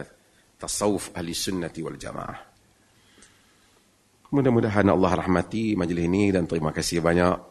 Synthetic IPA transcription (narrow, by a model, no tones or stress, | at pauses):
t̪asɑwʊfahlɪsʊnːat̪iwa̰ld͡ʒa̰ma̰ːa̰h | mudahmudaɦanɑ̰lˤːɑɦrˤɑħmat̪imad͡ʒlɪsnidant̪əɾimakasihbaɲaʔ